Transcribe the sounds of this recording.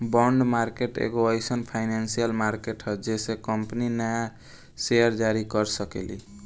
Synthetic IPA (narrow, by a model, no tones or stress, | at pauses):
bɔɳɖmaɾkeʈḛɡoəjsənpʰaɪnansijəlmaɾkeʈɦəd͡ʒesekəmpninəja | sejəɾd͡ʒaɾikəɾsəkḛlḭ